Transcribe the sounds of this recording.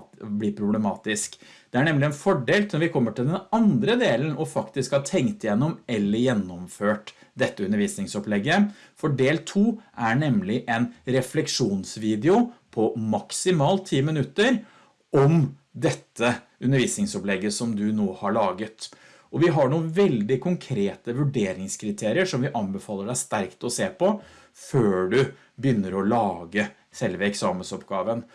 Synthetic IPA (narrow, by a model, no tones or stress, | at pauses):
blɪpʰɾʊblɛmɑːt̪ɪskd̪̥ɛæɳɛmlɪɛnfɔɖeːlt̪ɔɾʋɪkʰɔmːəʈɪld̪ɛnɑnd̪ɾəd̪eːlənɔfɑkt̪ɪskhɑt̪ʰɛŋkt̪jɛnːɔmɛlːəɾjɛnːɔmføːʈd̪ɛt̪ːəʉnəɾʋiːsnɪŋsɔplɛɡːə | fɔɖeːlt̪ʰuːʔæɳɛmlɪʔɛnɾɛflɛkʂuːnsʋiːd̪ɛʊpʰɔmɑksɪmɑːlt̪ʰiːmənʉt̪ːəɾ | ɔmd̪ɛt̪ːə | ʉnːəɾʋiːsnɪŋsɔplɛɡːəsɔmd̪ʉnoːhɑɭɑːɡət̪ | ʔɔʋɪɦɑɳuːnʋɛld̪ɪkʰʊŋkʰɾeːt̪əʋʉɖeːɾɪŋskʰɾɪt̪ʰeːɾɪəʂɔmʋɪʔɑnbɛfɑːlːəɖæɪst̪æɾkt̪ɔseːpʰɔ | føːɖʉ | bjʏnːəɾɔlɑːɡə | sɛlʋəɛksɑːmənsɔpɡɑːʋən